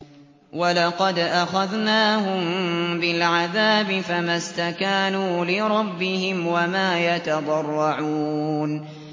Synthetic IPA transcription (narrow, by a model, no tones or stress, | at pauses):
walɑqɑd̪ʔaxaðnaːɦʊmbɪlʕaðaːbɪfamast̪akaːnuːlɪɾˤɑbːɪhɪmwamaːjat̪ɑd̪ˤɑrˤːɑʕuːn